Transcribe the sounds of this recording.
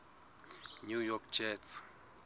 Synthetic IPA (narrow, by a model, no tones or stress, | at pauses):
njujɔkd͡ʒɛts